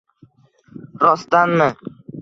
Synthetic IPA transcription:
ɾɒst̪anmɪ

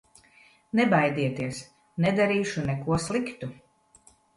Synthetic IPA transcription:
nɛbajd̪iɛt̪iɛs | nɛd̪aɾiːʃunɛkuɔslˠikt̪u

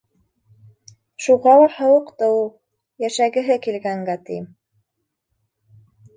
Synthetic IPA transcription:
ʃuʁɑw̪ˠɑɾhɤ̆wɤqt̪ɤulˠ | jæʃæɡɘ̆ɦɘkilɡæŋɡæt̪ḭm

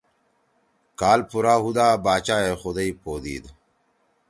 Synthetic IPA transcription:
kaːlpuɾaːɦud̪aːbaːt͡ɕaːexud̪ɐipʰoːd̪ḭːd̪

